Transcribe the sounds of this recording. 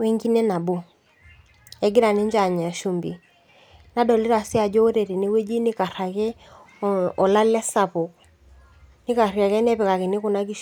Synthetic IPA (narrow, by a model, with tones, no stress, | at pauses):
wɛ˦ŋɡi˦nɛ˦na˨bo˦ | ɛ˨ɡɪ˦ɾa˨nɪ˦ɲd͡ʒa˨ɲ˨a˨ʃu˨mbḭ˨ | na˦dɔ˨li˦ɾa˨sɪ˦a˨d͡ʒɔ˦o˦ɾe˨ɾe˨ne˦we˦d͡ʒi˦nɪ˦ka˨ɾa˨kɛ˦ | ɔ˨la˦lɛ˦sa˨pɔ˨ | nɪ˦ka˨rja˨kɛ˦nɛ˦pɛ˨ka˨kɛ˨nɪ˦kʊ˨na˦k̬i˦ʃ